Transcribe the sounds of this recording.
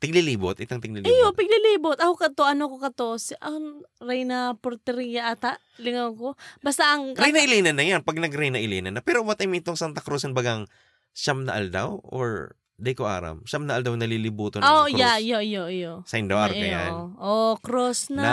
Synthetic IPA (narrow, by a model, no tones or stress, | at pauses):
t̪ɪɡ̚liliːbot̪ʔɪt̪aŋt̪ɪɡ̚lilɪjopɐɡ̚liliːbot̪̚ɐkokɐt̪oʔɐnokokɐt̪o̞sʔɐŋɾɛjnɐpoɾt̪ɛɾijɐʔat̪aʔ | lɪŋɐwkobast̪aʔɐŋɾajnɐʔɪliːnɐnːɐjanpɐɡ̚nɐɡɾɛjnɐʔɪliːnɐnːɐpɛːɾobat̪ɐmɪt̪oŋsant̪ɐkɾosɐnbaɡaŋ | ʃamnɐʔɐld̪a̰wʔo̰ɹ | d̪ɐjkoʔa̰ːɾɐ̰mʃamnɐʔɐld̪awnɐlilɪbuːt̪oojajoʔjoʔjosɐɪnd̪oʔaɾɐa̰nʔokɾosnɐa